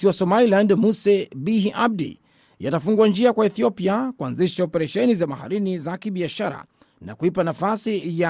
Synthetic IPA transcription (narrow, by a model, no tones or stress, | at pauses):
siwasɔmalilandmusɛbiɦiʔab̚dḭ | ja̰tafuŋɡuand͡ʒiakwaɛθiɔpiakuanziʃaɔpɛɾɛʃɛnizamaha̰ɾinizakiɓiaʃaɾa̰ | na̰kuipanafasija